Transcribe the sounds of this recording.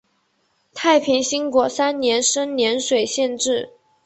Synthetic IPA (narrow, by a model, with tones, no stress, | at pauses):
t̪ʰa˥˩ɪpʰi˧˥ŋɕi˥ŋkwɔ˧˥sa˥nnjɛ˧˥nʂə˥nnjɛ˧˥nʂwe˨˩ɪɕjɛ˥˧nʈ͡ʂɻ̩˥˩